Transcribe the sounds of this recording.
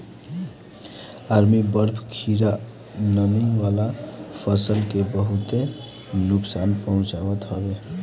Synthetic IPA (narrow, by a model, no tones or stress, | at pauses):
aɾmibəɾpʰkʰiɾa | nəmiwalapʰəsəlkebəɦut̪e | nuksanpəɦũt͡ʃabət̪ɦʌbe